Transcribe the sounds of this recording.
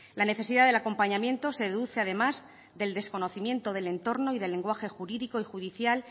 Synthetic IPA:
lane̞θe̞siðaðe̞lako̞mpaɲamje̞nt̪o̞se̞ðeðuθe̞að̞e̞maz | d̪e̞ld̪e̞sko̞no̞θimjẽ̞nt̪o̞ðe̞le̞nt̪o̞ɾno̞iðe̞lːe̞ŋɡwaxe̞xuɾiðiko̞ixuðiθjal

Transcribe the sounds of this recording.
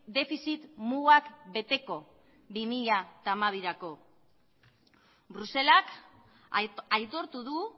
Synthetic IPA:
d̪e̞fisit̪muɣakbe̞t̪e̞ko̞ | bimiʎat̪amaβiɾako̞ | bɾuse̞lak | ajt̪o̞ɾt̪uðu

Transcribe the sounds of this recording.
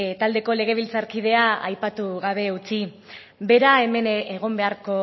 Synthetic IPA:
t̪ald̪e̞ko̞le̞ɣ̞e̞β̞ilt͡saɾkið̞e̞aajpat̪uɣaβ̞e̞ut͡si | be̞ɾae̞me̞neɣo̞mbe̞aɾko̞

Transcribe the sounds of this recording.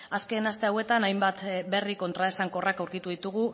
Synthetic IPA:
aske̞nast̪e̞awe̞t̪anajmbat̪be̞riko̞nt̪ɾaesaŋko̞rakawɾkit̪uðit̪uɣ̞u

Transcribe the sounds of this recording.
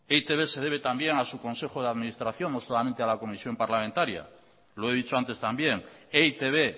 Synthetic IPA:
eit̪eβe̞se̞ð̞eβe̞t̪ambje̞ŋasuko̞nse̞xo̞ð̞eaðminist̪ɾaθjo̞nːosolamẽ̞nt̪ealako̞misjo̞mpaɾlamẽnt̪aɾja̰ | lo̞e̞ðit͡ʃoant̪e̞st̪ambje̞ŋeit̪eβe̞

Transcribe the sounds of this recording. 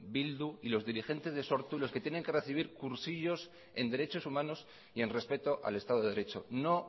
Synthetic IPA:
bild̪uilo̞zðiɾixe̞nt̪e̞zðeso̞ɾt̪ulosket̪jene̞ŋke̞re̞θiβ̞iɾkuɾsiʎo̞s | e̞nd̪e̞ɾe̞t͡ʃo̞sumãno̞s | ie̞nre̞spe̞t̪o̞ʔa̰le̞st̪að̞o̞ðɾe̞t͡ʃo̞̰no̞

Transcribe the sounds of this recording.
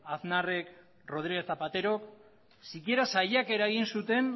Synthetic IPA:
aθnare̞k | ro̞ð̞ɾiɣe̞θapat̪e̞ɾo̞k | sikie̞ɾasajake̞ɾaeɣinsut̪e̞n

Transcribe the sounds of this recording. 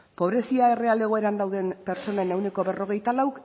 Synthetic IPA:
po̞β̞ɾe̞siae̞re̞ale̞ɣo̞eɾand̪awðe̞npe̞ɾt͡so̞nene̞wne̞ko̞βe̞ro̞ɣe̞jt̪alawk

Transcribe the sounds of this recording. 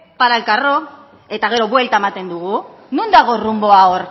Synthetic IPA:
paɾalkaro̞ | e̞t̪aɣ̞e̞ɾo̞βwe̞lt̪aemat̪e̞nd̪uɣ̞u | nund̪aɣ̞o̞rumbo̞aoɾ

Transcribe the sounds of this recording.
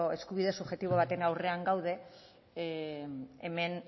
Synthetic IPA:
oe̞skuβiðe̞suʝe̞t̪iβ̞o̞β̞at̪e̞nawre̞aŋɡawð̞e̞ | eme̞n

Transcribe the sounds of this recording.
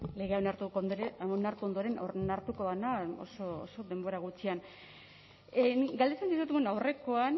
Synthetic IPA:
le̞ɣe̞awnaɾt̪ukonaɾt̪uond̪oɾe̞nonaɾt̪uko̞ðanao̰soo̰so̞ðe̞mbo̞ɾaɣ̞ut͡ʃian | niɡald̪e̞t͡sensis̬ut̪eɣunawre̞ko̞an

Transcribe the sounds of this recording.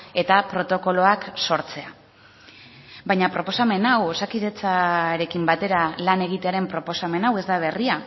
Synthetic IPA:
e̞t̪apɾo̞t̪o̞ko̞lo̞akso̞ɾt͡se̞a | bajɲapɾo̞po̞same̞nawosakiðe̞t͡saɾe̞kimbat̪e̞ɾalane̞ɣ̞it̪e̞aɾe̞mpɾo̞po̞same̞nawe̞zd̪aβ̞e̞ria

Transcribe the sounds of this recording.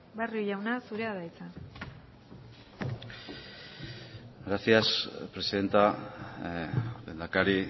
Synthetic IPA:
barioʝawnasuɾe̞aðajt͡sa | ɡɾasiaspɾe̞siðe̞nt̪a | ðend̪akaɾi

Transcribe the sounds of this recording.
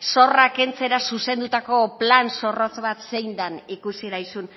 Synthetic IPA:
so̞rake̞nt͡se̞ɾasuse̞nd̪ut̪ako̞planso̞ro̞t͡sβat̪se̞jnd̪anikusiɾajsun

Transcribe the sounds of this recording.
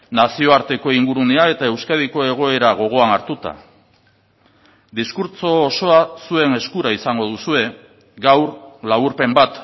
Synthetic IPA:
nasio̞aɾt̪e̞ko̞iŋɡuɾuneae̞t̪ae̞wskað̞iko̞e̞ɣ̞o̞e̞ɾaɣ̞o̞ɣ̞o̞anaɾt̪ut̪a̰ | d̪iskuɾt͡so̞ːso̞asue̞ne̞skuɾaisaŋɡo̞ð̞usue̞ | ɡawɾlaβuɾpe̞mbat̪

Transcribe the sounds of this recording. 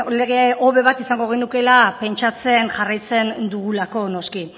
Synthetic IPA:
le̞ɣe̞o̞βe̞βat̪isaŋɡo̞ɣ̞e̞nuke̞lape̞nt͡ʃat͡se̞nʝarajt͡se̞nd̪uɣulako̞no̞ski

